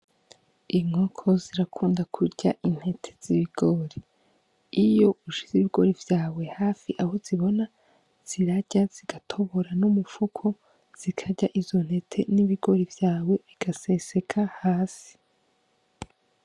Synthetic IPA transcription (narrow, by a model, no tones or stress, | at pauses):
imŋokʰo̞ziɾakʰuːndakʰuɟaʔin̥he̞tʰe̥z̥iβiɡ̥o̞ɾe | ijo̞ʔuʃiziβiɡo̞̰ɾivjaːwe̞haːfiʔahoziβo̞na | z̥iɾaɟ̥az̥iɡatʰo̞βoɾanumufukʰo | z̥ikʰaɟaʔizo̞n̥he̞tʰe̞niβiɡ̥oɾivjaːwe̞βiɡ̥ase̞se̞kʰahaːsi̥